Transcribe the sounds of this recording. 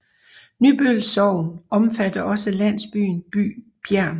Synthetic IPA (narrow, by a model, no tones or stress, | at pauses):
ny̰ːb̥ølsɒʊ̰nɒ̽mfæd̥ɐʔɒ̽səlæn̰sb̥y̰ːnb̥y̰ː | b̥jæɐ̰n